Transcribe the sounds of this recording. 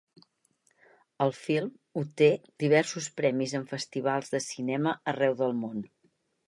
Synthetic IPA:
əlˠfilˠm | ut̪ed̪̥iβ̞ɛɾsuspɾɛmizəɱfəst̪iβ̞alˠzðəsinɛməərɛwðəlˠmon

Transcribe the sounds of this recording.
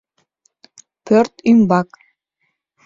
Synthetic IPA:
pʰørt̪ymbak

